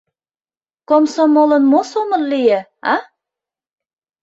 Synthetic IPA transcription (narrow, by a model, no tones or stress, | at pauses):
komsomolə̆nmosomə̆rlijĕɑ